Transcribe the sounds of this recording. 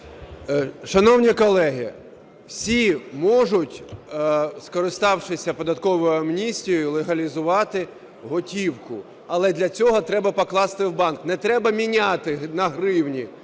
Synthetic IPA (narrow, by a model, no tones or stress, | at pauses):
ʃɐnɔwnʲikɔlˠɛɦi | wsʲimɔʒʊtʲ | skɔɾɪst̪ɑwʃɪsʲɐpɔd̪ɐt̪kɔʋɔjʊɐmnʲisʲtʲijɔjʊlˠeɦɐlʲizʊʋɑt̪ɪ | ɦɔtʲiwkʊ̰ | ɐlˠɛd̪lʲɐt͡sʲɔɦɔt̪ɾɛbɐpɔklˠɑst̪ɪwbɑnknɛt̪ɾɛbɐmʲinʲat̪ɪnɐɦɾɪwnʲi